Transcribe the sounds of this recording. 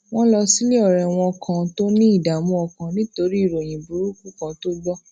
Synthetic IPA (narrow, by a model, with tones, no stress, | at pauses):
w̃ɔ̃˦lɔ˧si˦le˦ɔ˦˨ɾɛ˨w̃ɔ̃˧kʰã˨to˦nĩ˦i˦˨da˨mũ˧˦ɔ˧˨kã˨nĩ˦to˧˦ɾi˦i˦˨ɾo˨j̃ĩ˨bu˨˦ɾu˦ku˦kã˧to˦ɡ͡bɔ˦